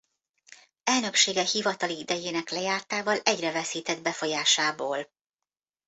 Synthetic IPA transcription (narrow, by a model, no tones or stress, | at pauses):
ɛlnø̞kʃeːɡɛhivɒt̪ɒliid̪ɛjeːnɛklɛjaːrt̪aːvɒlɛɟrɛvɛsiːt̪ɛd̪bɛfo̞jaːʃaːboːl